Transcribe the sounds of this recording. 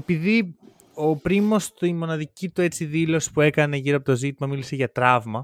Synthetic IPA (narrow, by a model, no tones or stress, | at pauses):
epiði | o̞pɾimo̞st̪imo̞nɐðicit̪ue̞t͡siðilo̞si̥pue̞kɐne̞ʝiɾoɐpo̞t̪o̞zit̪imɐmilise̞ʝɐt̪ɾɐvmɐ